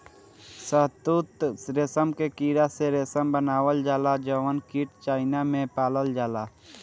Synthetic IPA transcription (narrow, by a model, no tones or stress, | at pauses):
səɦt̪ut̪ɾesəmkekiːɾaseɾesəmbənaːwəld͡ʒaːlad͡ʒəʋənkiːʈt͡ʃaːɪnamẽpaːləld͡ʒaːlaː